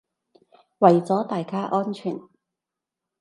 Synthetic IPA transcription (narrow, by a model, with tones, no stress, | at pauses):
wɐ˨jt͡sɔː˨˥t̪aː˨jkaː˥ʔɔː˥nt͡ʃʰyː˨˩n